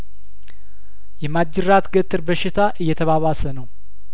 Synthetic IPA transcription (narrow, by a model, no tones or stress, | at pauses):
jɛmad͡ʒɪɾat̪ɡət̪ʰʼːɨɾbəʃɪt̪ʰaʔɨjːɛt̪ʰəβaβasənəw